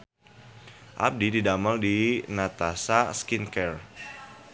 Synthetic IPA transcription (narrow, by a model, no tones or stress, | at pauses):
ʔa̰p̚dididaməldinat̪asaskinkɛr